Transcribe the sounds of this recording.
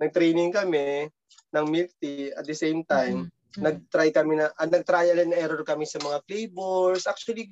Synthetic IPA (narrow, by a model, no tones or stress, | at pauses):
nɐɡ̚t̪ɾejnɪŋkɐmɛ | nɐŋmɪlt̪iɐ̰t̪̚d̪ɐsejmt̪ajm | nɐɡ̚t̪ɾajkɐmɪnɐʔɐnɐɡ̚t̪ɾajɐlɐnɐʔɛɾoɾkɐmɪsɐmɐŋaklejbɛɹsʔak̚t͡ʃʊɐli